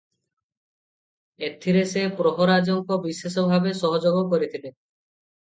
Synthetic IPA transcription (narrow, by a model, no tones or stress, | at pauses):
et̪ʰːiɾesepɾoɦoɾad͡ʒɔŋkɔbisesɔbʱabesɔɦɔd͡ʒoɡokoɾit̪ʰile